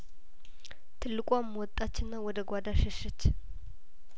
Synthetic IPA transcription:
t̪ʰɨlːɨkʼamːwɔt̪ʼːat͡ʃːɪnːawɔd̪əɡʷad̪aʃɛʃɛt͡ʃː

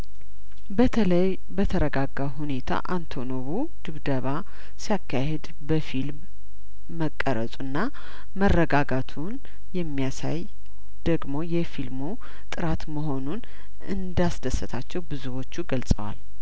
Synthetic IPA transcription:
j | bət̪ʰəɾəɡaɡaɦune̞t̪ʰa̰ʔant̪ʰo̞noβu | d̪̥ɨβd̪əβa | sijakʰːahɛd̪ | bəfilmː | əkʼːəɾə̰sʼunːa | mərːəɡaɡat̪ʰun | jɛmːijasa̰j | d̪̥əɡmo̞jɛfilmu | t̪ʼɨɾat̪məɦo̞nun | ɨ̰nd̪asd̪əsːət̪ʰat͡ʃːɛwbɨzuwo̞t͡ʃːuɡəlsʼə̰wa̰l

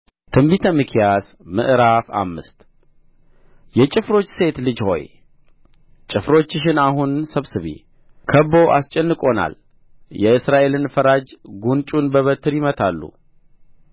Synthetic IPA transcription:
t̪ʰɨmbit̪ʰəmɨkʰjas | mɨ̰ʔɨɾafa̰mːɨ̰st̪ | jɛt͡ʃʼɪfɾo̞t͡ʃːse̞t̪lɨd͡ʒho̞̰j | t͡ʃʼɪfɾo̞t͡ʃːɪʃ̬ɪnaɦunsəβsɨβḭ | kʰəbo̞ʔa̰st͡ʃʼɛnːɨkʼo̞na̰l | jɛɨsɾaʔe̞lɨnfəɾad͡ʒɡunt͡ʃʼunbəβət̪ʰːɨɾjɪmət̪ʰalːṵ

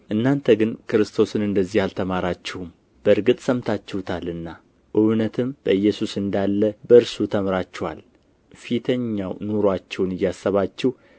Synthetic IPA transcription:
ʔɨnːant̪ʰəɡɨnkɨɾɨst̪ʰo̞sɨnɨnd̪əzːihalt̪ʰəmaɾat͡ʃːɛhum | b̥əɨɾɡɨt̪ʼsəmt̪ʰat͡ʃːɛht̪ʰalɨnːa | ʔɨwnət̪ʰɨmb̥əɨjːɛsusɨnd̪alːəbəɨɾsut̪ʰəmɾat͡ʃːɛha̰l | fit̪ʰəɲːawnoɾoat͡ʃːɛwnɨjːasːəβat͡ʃːɛh

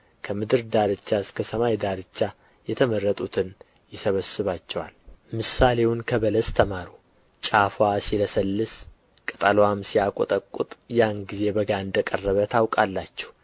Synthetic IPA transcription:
kʰəmɨd̪ɨɾd̪aɾɨt͡ʃːaɨskʰəsəmajd̪aɾɨt͡ʃːa | jɛt̪ʰəmərːət̪ʼut̪ʰɨn | jɪsəβəsːɨβat͡ʃːɛwa̰lmɨsale̞wunkʰəβələst̪ʰəmaɾu | t͡ʃʼafwasiləsəlːɨs | kʼət̪ʼəlowamsijakʷʼɔt̪ʼəkʼːṵt̪ʼjanɡize̞bəɡaɨnd̪əkʼərːəβət̪ʰawkʼalːat͡ʃːɛ̥w

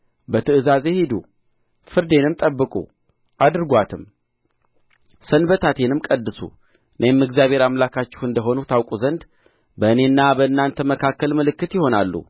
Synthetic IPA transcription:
bət̪ʰɨɨzaze̞hid̪ṵ | fɨɾd̪e̞nɨmt̪ʼəbːɨkʼṵ | ʔad̪ɾɨɡʷat̪ʰɨm | sənbət̪ʰat̪ʰe̞nɨmkʼəd̪ːɨsṵ | ɨnʔemːɨɡzjaβhe̞ɾamlakʰat͡ʃːɪ̥hɨnd̪əɦo̞nut̪ʰawkʼuzənd̪ | bəɨne̞ɨnːabəɨnːant̪ʰəməkʰakːəlmɨlɨkːɨt̪jɪho̞nalːṵ

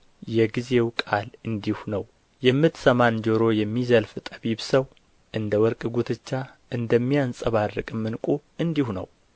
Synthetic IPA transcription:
jɛɡize̞wkʼalɨnd̪ihunəw | jɛmːɨt̪səmand͡ʒoɾo̞jɛmːizəlft̪ʼəβiβsəw | ʔɨnd̪əwɔɾkʼɨɡut̪ʰɨt͡ʃːaʔɨnd̪əmːijansʼəβarːɨkʼɨmːɨnkʼuɨnd̪ihunə̰w

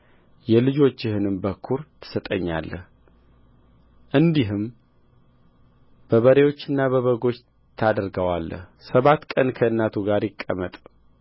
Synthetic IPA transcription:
jɛlɨd͡ʒo̞t͡ʃːɪhɨnɨmbəkʰːuɾt̪ʰɨ̥sət̪ʼəɲːa̰lːə̰h | ʔɨnd̪iɦɨm | b̥əβəɾe̞wo̞t͡ʃːɨnːaβəβəɡo̞t͡ʃː | t̪ʰad̪əɾɡəwalːə̰hsəβat̪kʼənkʰəɨnːat̪ʰuɡaɾjɪkʼːə̰mət̪ʼ

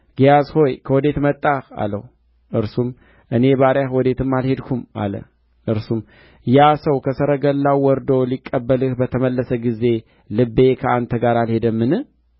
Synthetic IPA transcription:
ɡ̥ijazho̞jkʰəwɔd̪e̞t̪mət̪ʼːaxa̰lːə̰hu | ʔɨɾsum | ʔɨne̞baɾjahwɔd̪e̞t̪ʰɨmːalhe̞d̪kʰuma̰lə̰ | ʔɨɾsum | jasəwkʰəsəɾəɡəlːawwɔɾd̪owlikʼːəbːəlɨhbət̪ʰəməlːəsəɡize̞ | lɨbːe̞kʰəant̪ʰəɡaɾalhe̞d̪əmːɨnɨ

